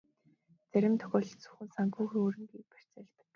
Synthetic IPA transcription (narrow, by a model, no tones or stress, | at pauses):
t͡sæɾʲɪ̆mt̪ʰœ̥xʲɔːɮ̆t͡su̥xɘ̆nsaŋkuːxɾuːɾɘ̆ŋɡiːk̚pær̥ʲt͡sæːɮt̪ə̥̆k